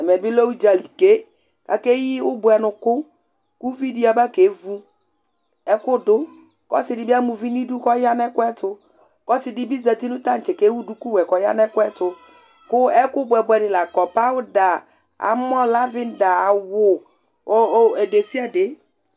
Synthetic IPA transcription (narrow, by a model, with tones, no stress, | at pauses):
ɛ˨mɛ˨bɪ˦lo˦wu˦d͡ʒa˨li˨ke˦ | ka̰˨ke˦ji˦wʊ˦bʊ˨ɛ˨nʊ˨kʊ˦ | ku˦vi˦di˦˨a˨ba˦ke˨˦vu˦ | ɛ˦kʊ˦dʊ˦ | kɔ̰˦sɪ˨dɪ˨bi˦a˦mu˨vi˦ni˦du˦kɔ˦ja˦nɛ˦kʊ˦ɛ˦tʊ˦ | kɔ˦sɪ˨dɪ˨bi˦za˨ti˦nũ˦t̪a˦n̩˨t͡ʃɛ˨ke˦wu˦du˦ku˦wɛ˨kɔ˨ja̰˦nɛ˦kʊ˦ɛ˦tʊ˨ | kʊ˦ɛ˦kʊ˦bʊ˨ɛ˨bʊ˨ɛ˨nɪ˨la˨kɔ˨pa˦wʊ˦da˨ | a̰˨m˦ɔ˦la˦vɪ˦n˦da˨a˨wʊ˨˦ | ɛ˨de˨si˦a˨de˨˦